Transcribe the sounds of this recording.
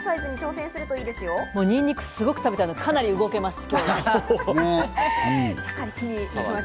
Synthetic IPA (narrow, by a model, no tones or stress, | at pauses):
saizɨɲ̟it͡ɕo̞ːsẽsɨɾɯ̟t̪o̞iːd̪e̞sɨjomo̞ːɲ̟ĩɲːʲikɯ̟̥sɨɡo̞kɯ̟̥abe̞t̪anokʰanaɾʲiɯɡo̞ke̞masɨ̥kʲo | ɕakaɾʲikinʲiima